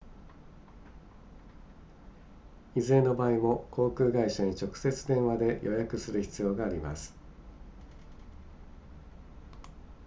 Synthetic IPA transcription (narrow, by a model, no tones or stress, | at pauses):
izeːno̞baːimo̞kʰo̞ːkɯ̟ːɡaiɕaɲ̟it͡ɕo̞kɯ̟̥se̞t͡sɨd̪ẽ̞ɰ̃βad̪e̞jʔo̞jakɯ̟sɨɾɯ̟çi̥t͡sɨjo̞ːɡaːɾʲima̰sɨ̥